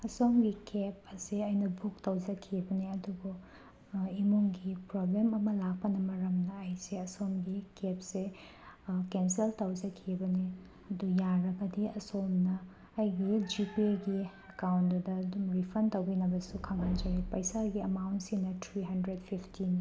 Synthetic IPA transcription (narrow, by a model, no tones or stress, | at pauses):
ɐsomɡikep̚ɐseɐjnɐbuk̚tɐwd͡ʒɐkʰibɐniɐduɡu | imumɡipɾoblemɐmɐlak̚pɐnɐmɐɾɐmnɐːjseɐsomɡikep̚se | kenseltɐwd͡ʒɐkʰibɐni | ɐdujaɾɐɡɐdiɐsomnɐː | jɡid͡ʒipieɡi | ɐkawntdudɐːdumɾipʰɐntɐwbinɐbɐsukʰaŋɦand͡ʒɐɾipɐjsaɡiɐmawntsinɐtʰɾiɦɐndɾedpʰipʰtini